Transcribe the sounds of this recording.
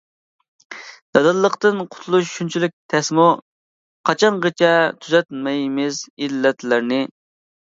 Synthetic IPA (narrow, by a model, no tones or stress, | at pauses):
d̪̥ɛd̪ɨlˠːəqt̪ɨnqʰʊ̥t̪ʰulˠuʃʃunt͡ʃʰilyk̚ʲt̪ʰɛsmu | qʰɑt͡ʃʰɑnʁet͡ʃʰɛt̪ʰyzɛt̪mɪjmɪzilːɛt̪ʰlɪɾnɪ